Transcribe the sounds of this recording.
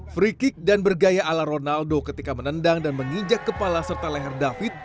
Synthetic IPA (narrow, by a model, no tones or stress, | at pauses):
fɾikɪk̚danbərɡajaʔːlaɾonaldokət̪ikamənəndaŋdanməŋiɲd͡ʒakːəpalasərt̪alɛɦɛrdafɪt̪̚